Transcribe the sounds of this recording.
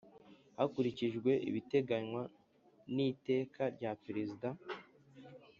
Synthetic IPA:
hakuɾiciʒɡwe̞ʔḭβite̞ɡaɲwa | nite̞ːkaɾɟapeɾezida

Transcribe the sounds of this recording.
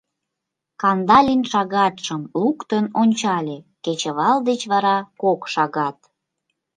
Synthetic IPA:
kɑnd̪ɑlʲinʃɑɣɑt̪ʃəmlukt̪ənonʲt͡ɕɑlʲeket͡ɕə̆βɑld̪et͡ɕβɑɾɑkokʃɑɣɑt̪

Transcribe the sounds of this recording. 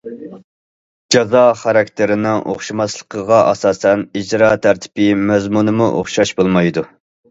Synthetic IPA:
d͡ʒɑzɑχɑɾɑk̚ʲt̪ʰɪɾɪnɪŋʔo̰χʃimɑslˠə̥qʰəʁɑʔɑsɑːsɛnid͡ʒɾɑːt̪ʰæɾt̪ʰɪ̥pɪmɛzmunɨmuʔo̰χʃɑʃbolˠmɑjd̪u

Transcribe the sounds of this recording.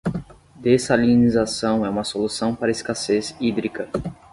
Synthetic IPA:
d̪esalinizasɐ̃w̃ɛũmɐsolusɐ̃w̃paɾɐiskasezid̪ɾikɐ

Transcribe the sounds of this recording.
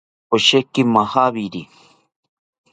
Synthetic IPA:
oʃekimahaβiɾi

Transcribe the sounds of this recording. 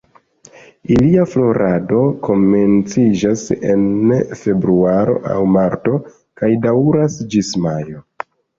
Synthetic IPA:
iliaflo̞ɾʔado̞ko̞me̞nt͡sid͡ʒase̞̰nfe̞bɾuaɾo̞̰ʔa̰wmaɾto̞ | kajdawɾasd͡ʒismajo̞

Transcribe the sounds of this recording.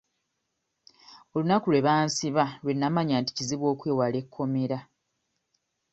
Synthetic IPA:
o̞lunakulwe̞βaːnsiβalwe̞nːamaɲaːnti̥ciziβwo̞ːkweːwale̞kʰːo̞me̞ɾa

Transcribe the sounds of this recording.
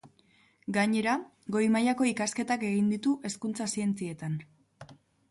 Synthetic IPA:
ɡaɲe̞ɾa | ɡo̞jmajako̞ikaske̞t̪ake̞ɣind̪it̪uʔe̞skunt͡sasie̞nt͡sie̞t̪an

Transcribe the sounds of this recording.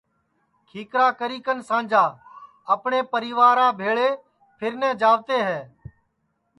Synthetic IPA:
kʰiːkɾaːkəɾiːkənsãːnd͡ʒaː | əpɳeːpəɾiːʋaːɾãːbʱeːɭeː | pʰɪɾnɛ̃ːd͡ʒaːʋt̪eːɦɛː

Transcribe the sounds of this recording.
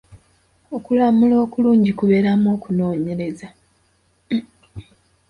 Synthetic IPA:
o̞kulamulo̞ːkuluːɲɟikuβe̞ɾamo̞ːkuno̞ːɲe̞ɾe̞za

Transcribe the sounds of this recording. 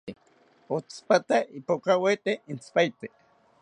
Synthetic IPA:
ot͡spat̪aipokawet̪eint͡spajt̪e

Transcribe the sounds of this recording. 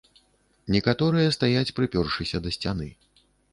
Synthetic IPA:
nʲɛkat̪ɔɾɨjɐst̪ajat͡sʲpɾɨpʲɔrʂɨsʲɐd̪ɐsʲt͡sʲanɨ̰

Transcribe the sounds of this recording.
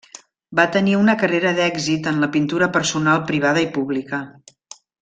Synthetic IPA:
bat̪əniunəkəreɾəðɛɡzit̪ənləpint̪uɾəpəɾsunalˠpɾiβ̞að̞əipuβlikə

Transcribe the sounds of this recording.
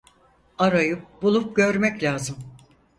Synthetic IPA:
aɾajɯp̚bulˠup̚ɟø̞ɾmɛclʲaːzɯm

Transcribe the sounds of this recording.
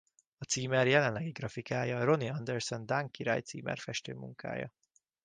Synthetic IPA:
ɒt̪siːmɛrjɛlɛnlɛɡiɡrɒfikaːjɒro̞niɒnd̪ɛrsond̪aŋkiɾa̰ːjt̪siːmɛ̰rfɛʃt̪øːmṵŋkʰa̰ːjɒ̰

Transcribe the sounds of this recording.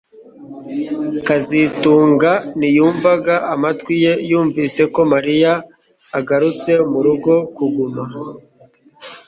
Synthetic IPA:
kazituːŋɡanijuːɱvaɡaʔamatwije̞juːɱviːse̞ko̞maɾijaː | ɡaɾut͡se̞muɾuɡo̞kuɡuma

